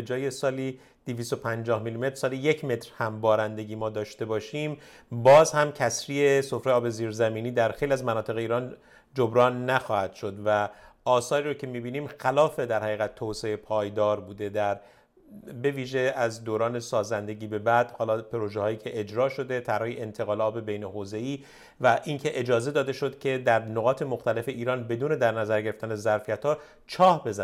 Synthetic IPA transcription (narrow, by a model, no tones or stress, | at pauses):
ed͡ʒɒːje̞sɒːli | d̪̥eviːst̪o̞pʰænd͡ʒɒːhmilime̞t̪ɾ̥sɒːlije̞cʰme̞t̪ɾhæmbɒːɾænd̪e̞ɟʲiːmɒːd̪ɒːʃt̪e̞bɒːʃim | bɒːzhæmcʰæsɾiːesofɾeɒːbe̞ziːɾzæmiːniːd̪æɾxejliæzmænɒːt̪ʰe̞ɣeiːɾɒːn | d͡ʒobɾɒːnːæxɒːhæd̪̥ʃo̞d̪væʔɒːsɒːɾiːɾoːcʰe̞miːbiːniːmxælɒːfe̞d̪æɾhæɣiːɣæt̪ʰːoːseepʰɒːjd̪ɒːɾbuːd̪e̞d̪æɾ | be̞viːʒe̞æzd̪oːɾɒːnesɒːzænd̪e̞ɟiːbe̞bæd̪hɒːlɒːpʰeɾoʒehɒːjiːcʰe̞ʔed͡ʒɾɒːʃo̞d̪e̞t̪ʰæɾɒhiʔent̪ʰe̞ɣɒːlɒːbebejneɦoːze̞iː | væʔincʰe̞ʔed͡ʒɒːze̞d̪ɒːd̪eʃo̞d̪cʰe̞d̪æɾnoɣɒːt̪ʰe̞moxt̪æle̞fe̞ʔiːɾɒːnbe̞d̪uːne̞d̪æɾnæzæɾɟeeft̪ænezæɾfijæt̪hɒː | t͡ʃʰɒːhbe̞zæ